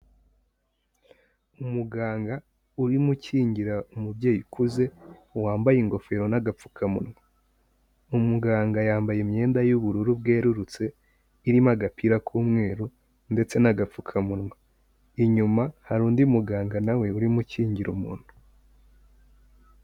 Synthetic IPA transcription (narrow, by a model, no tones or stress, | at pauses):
umuɡaːŋɡa | uɾimuciːɲɟiɾaumubɟe̞ːjukʰuze̞waːmbajeŋɡo̞fe̞ɾo̞naɡap͡fukʰamunwa | umuɡaːŋɡajaːmbajemɲe̞ːndajuβuɾuɾubɡeːɾuɾut͡se̞ | iɾimaɡapʰiɾakʰuːmŋe̞ːɾu | nde̞t͡se̞naɡap͡fukʰamunŋwa | iɲumahaɾuːndiumuɡaːŋɡanawe̞uɾimuciːɲɟiɾumuːn̥hu